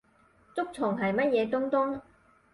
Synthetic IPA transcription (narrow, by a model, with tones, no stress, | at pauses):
t͡sʊ˥k̚t͡sʰʊ˨˩ŋɦɐ˨˩jmɐ˥t̚jɛː˨˧t̪ʊ˥ŋt̪ʊ˥ŋ